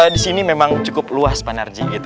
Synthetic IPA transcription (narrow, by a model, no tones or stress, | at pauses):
disinimemaŋt͡ʃukʊpluaspanard͡ʒiɡit̪u